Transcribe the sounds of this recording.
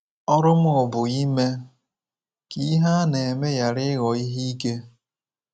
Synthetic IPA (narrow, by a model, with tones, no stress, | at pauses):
ɔ˦ɾʊ˦mʊ˦ʊ˨bʊ˨i˦me˦ | ki˦ɦa˦ne˨e˨me˦ja˨ɾɪ˦ɣɔ˨i˦ɦi˦i˦ke˦